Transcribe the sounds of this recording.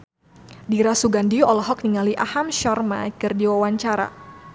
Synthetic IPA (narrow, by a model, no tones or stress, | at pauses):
diɾasuɡandiɔlɔɦɔk̚niŋaliʔahamʃɔrma̰kɨrdiwawaɲt͡ʃaɾa̰